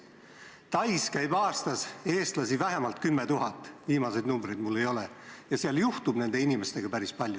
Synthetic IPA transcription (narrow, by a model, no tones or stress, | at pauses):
t̪ɑjskæjbɑːst̪ɑse̞ːst̪lɑsivæɦe̞mɑlt̪̚kymːe̞t̪uɦɑt̪ˑːviːmɑse̞d̪numbrid̪mulːe̞jo̞lejɑseɑljuht̪ub̥ne̞nd̪e̞inime̞st̪e̞ɡ̥ɑpæɾispɑlʲju